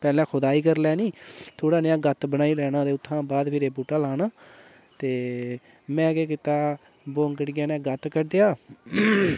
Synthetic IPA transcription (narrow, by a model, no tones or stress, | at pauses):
pɛːlɛ̃ːkʰʊd̪aːiːkəɾlɛːniːt̪ʰoːɽaːnɪjãːɡət̪bənaːiːlɛːnãːd̪eːʊt̪ʰːãːbaːd̪pʰɪɾeːbuːʈaːlaːnaː | t̪eː | mɛ̃ːkeːk̬ɪt̪aː | boːŋkəʈɡjaːnãːɡət̪kəɖejaː